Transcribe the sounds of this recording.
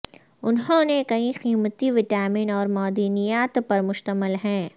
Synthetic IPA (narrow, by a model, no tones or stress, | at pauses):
ʊnɦõnekɐĩxiːmət̪iʋɪʈaːmɪnɔːɾmɔːd̪iːnijaːt̪pɐɾmʊʃt̪əməlɦɛ̃ː